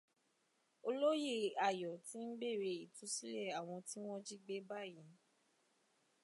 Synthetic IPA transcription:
o˧lo˦je˦˨a˨jɔ˨ti˦n̩˦be˦˨ɾe˧i˨tu˨˦si˦le˦˨a˨w̃ɔ̃˧ti˦w̃ɔ̃˦d͡ʒi˦ɡ͡be˦ba˦˨jĩ˨˦

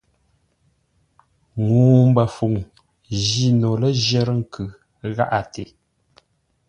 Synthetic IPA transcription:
ŋuː˨m̩˦bə˨fu˨ŋ | ʒi˦˨no˨lə˦ʒə˦ɾə˦ŋ̩˦˨kʰɯ˨ | ɣa˦ʔa˨tʰe˨

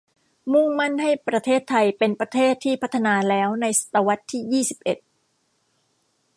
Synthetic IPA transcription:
mu˥˩ŋma˥˩nha˥˩jpɾa˧t̪ʰeː˥˩t̪ʰːa˧jpe˧npɾa˧t̪ʰeː˥˩t̪ʰːiː˥˩pʰa˦˥t̪ʰːa˧naː˧lɛː˦˥wna˧jsḁ˨˧˩t̪ːa˧wa˦˥t̪ʰːiː˥˩jiː˥˩si˨˩p̚ʔe˨˩t̪̚

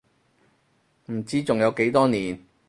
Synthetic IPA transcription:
m̩˨˩t͡siː˥t͡sʊ˨ŋjɐ˨˧wke˨˥jt̪ɔː˥niː˨˩n

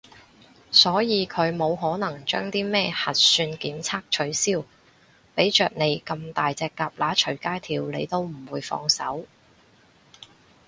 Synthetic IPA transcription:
sɔː˨˥jiː˨˧kʰɵ˨˧ɥmo˨˧wɦɔː˨˥nɐ˨˩ŋt͡ʃœː˥ŋt̪iː˥mɛː˥hɐ˨t̚syː˧nkiː˨˥mt͡sʰaː˥k̚t͡ʃʰɵ˨˧ɥsiː˥w | pe˨˥jt͡ʃœː˨k̚ne˨˧jkɐ˧mt̪aː˨jt͡sɛː˧kːaː˧p̚laː˨˥t͡ʃʰɵ˨˩ɥkaː˥jt̪ʰiː˨˧wlḛ˨˧jt̪o˥wm̩˨˩wuː˨˧jfɔ̰ː˧ŋsɐ̰˨˥w

